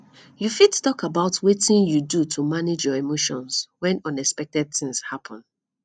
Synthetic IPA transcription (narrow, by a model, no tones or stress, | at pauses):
jufidtɔkabaʊtʰwetĩnjudutʰumaned͡ʒjɔemoʃɔ̃nswɛ̃nɔ̃nɛkspɛk̚tɛd̚θɪ̃ŋshapʰɔ̃n